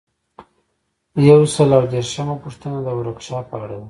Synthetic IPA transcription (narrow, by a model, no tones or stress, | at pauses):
jawsaloɾd̪eɾʃəmapuʂt̪ənad̪əwɾokʃɑpəaɽawa